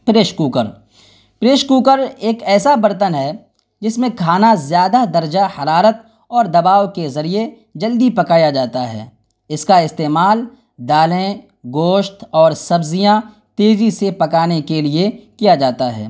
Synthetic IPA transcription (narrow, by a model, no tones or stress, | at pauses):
pɾeːʃkuːkəɾ | pɾeːʃkuːkəɾeːkɛːsabɐɾt̪ənɦɛ | d͡ʒɪsmẽkʰaːnazjaːd̪ad̪ɐɾd͡ʒahɐɾaːɾət̪̚ | ɔːɾd̪ɐbaːʋkezɐɾie | d͡ʒɐld̪ipɐkaːjad͡ʒaːt̪aɦɛ̰ː | ɪskaɪst̪eːmaːl | d̪aːlẽ | ɡoːʃt̪ɔːɾsɐbzijã | t̪eːzisepɐkaːnekeliekijad͡ʒaːt̪aɦɛ̰ː